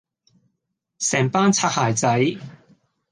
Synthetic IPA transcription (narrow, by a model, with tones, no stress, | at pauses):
sɛː˨˩ŋpaː˥nt͡sʰaː˧t̚haː˨˩jt͡sɐ˨˥j